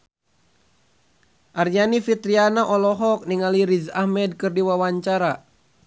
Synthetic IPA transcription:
ʔarjanifit̪ɾianaʔɔlɔɦɔk̚niŋaliɾizahmɛd̚kɨrdiwawaɲt͡ʃaɾa

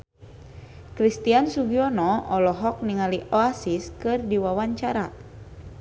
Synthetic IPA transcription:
kɾist̪iansuɡiɔnɔɔlɔɦɔk̚niŋaliʔɔasiskɨrdiwawaɲt͡ʃaɾa

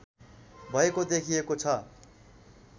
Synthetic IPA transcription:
bʱʌekod̪ekʰijekot͡sʰʌ

